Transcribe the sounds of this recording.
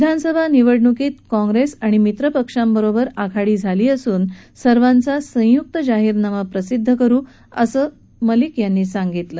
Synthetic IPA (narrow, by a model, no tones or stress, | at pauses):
ʋid̪ʱansəbʱaniʋəɽɳukiːt̪kɔ̃ŋɡɾesaɽ̃imit̪ɾəpəkʂambəɾobəɾakʰaɽiːd͡zʱaliːəsuːnsəɾʋant͡sasə̃juk̚t̪əd͡ʑaɦiːɾnaʋapɾəsid̪ʱːəkəɾuː | əsəː | məlikjanːiːsaŋɡit̪lə